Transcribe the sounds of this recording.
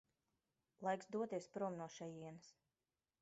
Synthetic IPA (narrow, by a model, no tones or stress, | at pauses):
lˠajksd̪uɔt̪iɛspɾuɔmnuɔʃɛjiɛnɨs